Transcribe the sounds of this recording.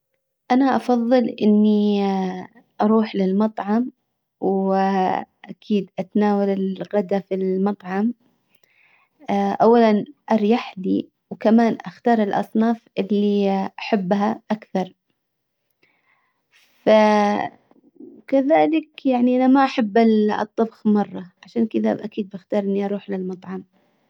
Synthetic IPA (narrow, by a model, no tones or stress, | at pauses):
ʔanaʔɑfɑðˤːɨlʔɪnːi | ʔɑɾˤuːħlɪlmɑt̪ˤʕɑm | w | ʔakʰiːd̪ʔat̪naːwalɪlɣad̪afilmɑt̪ˤʕɑm | ʔawːalanʔɑɾˤjaħli | wkamaːnʔaxt̪ɑːɾˤɪlʔɑ̰sˤnɑːfʔɪlːiʔaħabːɦaʔakθɑɾˤ | fa | kaðaːlɪkjaʕniʔanamaʔaħabːal̰t̪ˤːɑbxmɑrˤːɑʕaʃaːnkɪða̰bʔakiːd̪̚baxt̪ɑːɾˤʔɪnːiʔɑɾˤuːħlɪlmɑt̪ˤʕɑm